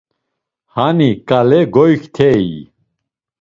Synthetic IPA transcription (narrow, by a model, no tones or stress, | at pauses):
hanikʼalɛɡɔjkʰt̪ʰɛji